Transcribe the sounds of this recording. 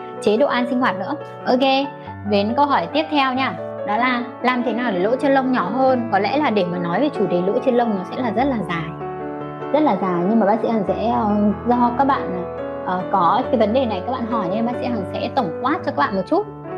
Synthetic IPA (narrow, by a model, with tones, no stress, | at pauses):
t͡ɕe˨˦ɗo̰˧˨ʔaː˧nsï˧ŋ̟ɦwaː˨˩t̚nɨ̰˧˥ə | ʔə˧ke˧ | ve˨˦nkə˧wɦɔː˧˩jt̪i˦˥əp̚t̪ʰɛ˧wɲaː˧˩ɗɔ˨˦laː˨˩ | laː˨˩mt̪ʰe˨˦naː˨˩wɗe˨˩˦lo̰˧˥t͡ɕnlə˧wŋ͡mɲɔ˧˩ɦəː˧nkɔ˨˦lɛ̰˧˥laː˨˩ɗe˧˩maː˨˩nɔ˨˦jve˨˩t͡ɕu˧˩t̪e˨˩˦lo̰˧˥t͡ɕe˧nlə˧wŋ͡mnɔ˨˦sɛ̰˧˥laː˨˩zə˦˥t̚laː˨˩zaː˨˩j | zə˦˥t̚laː˨˩zaː˨˩jɲɨ˧maː˨˩ɓaː˦˥sḭ˧˥hə˨˩ŋsɛ̰˧˥ə˨˩zɔ˧˨kaː˦˥k̚ɓa̰ː˧˨na˨˩ | ʔəː˨˩kɔ˨˦ke˨˦jvə˨˦nɗe˨˩na˨˩jka˦˥k̚ɓa̰ː˧˨nɦɔ˧˩jɲ˧˩ɓaː˦˥k̚sḭ˧˥hə˨˩ŋsɛ̰˧˥t̪ə˧˩wŋ͡mkwaː˦˥t̚t͡ɕɔ˧ka˦˥k̚ɓ̰ːmo˨t̚t͡ɕu˦˥t̚